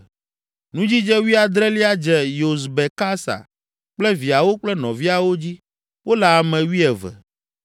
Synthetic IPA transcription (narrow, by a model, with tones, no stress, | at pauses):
nũ˦d͡ʑi˦d͡ʒɛ˦wi˦a˨d̪ɾɛ˦li˦a˦d͡ʒɛ˦˨jo˨s̬bɛ˨ka˦sa̰˨ | k͡plɛ˦vi˨a˨wo˦k͡plɛ˦nɔ̃˨vi˦a˨wo˦d͡ʑi˦ | wʔo˦la˨mɛ̃˨wi˦ɛ˨vɛ̰˨